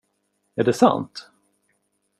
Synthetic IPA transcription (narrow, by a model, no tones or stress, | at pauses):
æɖɛsa̰nt̪